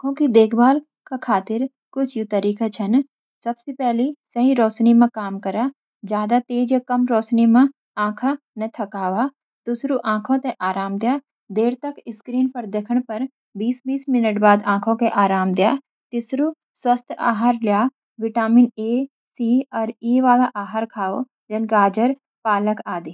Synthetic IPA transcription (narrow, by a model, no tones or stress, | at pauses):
ãkʰõkid̪eːkʰbaːl | kakʰaːt̪ɪɾ | kʊt͡ʃʰjut̪ɐɾiːkat͡ʃʰɐn | sɐbsepɛɦlisɐɦĩɾɔːsnimãkaːmkɐɾa | d͡ʒjaːd̪at̪eːd͡ʒjakɐmɾɔːsnimã | ãːkʰa | nɐt̪ʰɐkaːʋa | t̪ʊsɾuʔãːkʰõt̪eʔaːɾaːmd̪jaː | d̪eːɾt̪ɐkɪskɾiːnpɐɾd̪ekʰəɽ̃pɐɾ | biːsbiːsmɪnəʈbaːd̪ãːkʰõkeʔaːɾaːmd̪jaː | t̪ɪsɾu | swɐst̪ʰa̰ːɦaɾljaː | ʋɪʈaːmɪneː | siːɔːɾeːʋaːlaʔaːɦaɾkʰaːo̰ | d͡ʒɐnɡaːd͡ʒəɾ | paːləkaːd̪iː